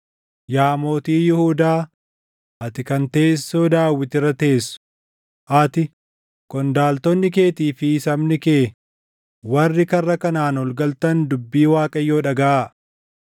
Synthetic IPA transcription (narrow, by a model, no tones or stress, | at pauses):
jaːmo̞ːt̪iːjɪhuːd̪aː | ʔɐt̪ɪkɐnt̪eːsːoːd̪aːwːɪt̪ɪrːɐt̪e̞ːsʊ̥ | ʔɐt̪ɪ | kɔnd̪aːlt̪ɔnːɪk̬e̞ːt̪iːfɪsɐmnɪkeː | wɐrːɪkɐrːɐkɐnaːnɔlɡɐlt̪ɐnd̪ʊbːiːwaːkʼɐjːo̞ːᶑɐɡɐʔa